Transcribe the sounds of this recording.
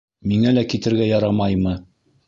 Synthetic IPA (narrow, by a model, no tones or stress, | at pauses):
miŋælækit̪ɘ̆ɾɡæjɑɾɑmɑjmɤ